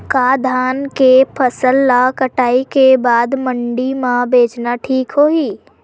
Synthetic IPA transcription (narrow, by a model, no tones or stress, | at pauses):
kaːd̪ʱaːnkepʰəsəlːakəʈaːikebaːd̪mə̃ɳɖimãbʱeːd͡ʒnaʈʰiːkɦoːiː